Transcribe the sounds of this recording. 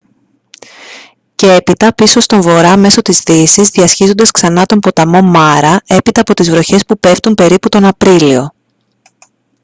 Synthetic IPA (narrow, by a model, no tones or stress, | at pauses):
ce̞e̞pit̪ɐpiso̞st̪o̞ɱvo̞ɾɐme̞so̞t̪izðisizðiɐsçizo̞nd̪ɐsksɐnɐt̪o̞mpo̞t̪ɐmo̞mɐɾɐe̞pit̪ɐːpo̞t̪izvɾo̞çe̞spupe̞ft̪umpe̞ɾiput̪o̞nɐpɾilio̞